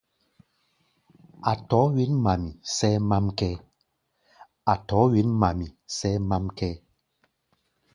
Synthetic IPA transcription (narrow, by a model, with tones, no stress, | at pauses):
a˨tɔ˨˦wi˦nma˨mi˨sɛ˦ma˦mkɛ˦ | a˨tɔ˨˦ɥi˨˦nma˨mi˨sɛ˦ma˦mkɛ˦